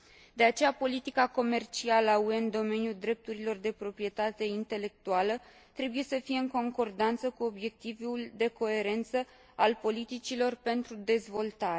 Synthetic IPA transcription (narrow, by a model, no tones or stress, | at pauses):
d̪e̞at͡ʃe̞japo̞lit̪ikako̞me̞rt͡ʃialəaue̞ɨnd̪o̞me̞nijuld̪ɾe̞p̚t̪uɾilo̞rd̪e̞pɾo̞pɾije̞t̪at̪e̞int̪e̞le̞k̚t̪ualə | t̪ɾe̞buje̞səfije̞ɨŋko̞ŋko̞rd̪ant̪səkuo̞bje̞k̚t̪ivuld̪e̞ko̞e̞ɾe̞nt̪sə | alpo̞lit̪it͡ʃilo̞rpe̞nt̪ɾud̪e̞zvo̞lt̪aɾe